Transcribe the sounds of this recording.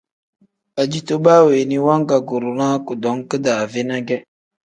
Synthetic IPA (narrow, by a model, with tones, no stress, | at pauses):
a˨d͡ʒi˨to˦baː˦we˨ni˦wa˦ŋ˦ɡa˨ɡo˨ɾu˨na˦ku˨dɔ˨˦ŋ˦kə˦da˨ve˦na˦ɡɛ˦